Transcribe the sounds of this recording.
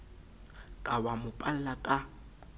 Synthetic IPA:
kʼawamʊpʼal̩lakʼa

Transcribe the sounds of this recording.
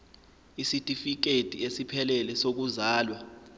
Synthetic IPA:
isitʼifik̬etʼḭesipʰɛlɛlɛsok̬uzaːlwa

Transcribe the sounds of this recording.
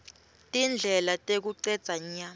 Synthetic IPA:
tʼind͡ɮʱɛlatʼek̬uǀɛd̥z̥ʱaɲa

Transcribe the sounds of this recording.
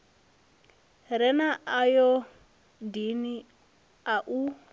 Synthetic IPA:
ɾɛnaʔajɔ | dini | aʔu

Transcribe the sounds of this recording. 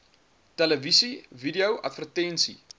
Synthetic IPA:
tæləvisividiəwʔɐ̰tvərtɛnsḭ

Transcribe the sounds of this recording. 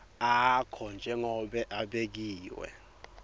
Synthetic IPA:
akʰɔnd͡ʒʱɛŋɔɓɛʔaɓek̬iːwɛ̰

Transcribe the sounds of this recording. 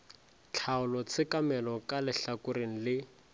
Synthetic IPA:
t͡ɬʰaʊlɔt͡sʰɪkamɛlɔkalɪɬakʊɾeŋ̩lɪ

